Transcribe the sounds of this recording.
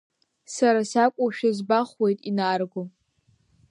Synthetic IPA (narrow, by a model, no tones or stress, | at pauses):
saɾasakʷʼʊʃᶣazbaχwe̞jtʼinaːrɡʷo